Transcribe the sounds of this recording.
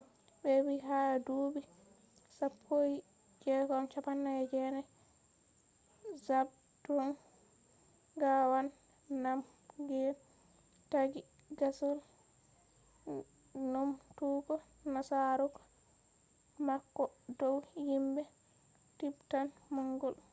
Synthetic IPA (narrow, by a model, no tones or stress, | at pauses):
bɛwiɦaaduːbi | sapʰːoji | d͡ʒɛkɔmt͡ʃapanːajɛd͡ʒɛnɛ | zab̚ | dɔn | ɡawanː | am | ɡɛ | taɡi | ɡasul | numtuɡɔ | nasaɾukɔ | makːɔdɔwjimbɛ | tibtanmɔŋɡɔl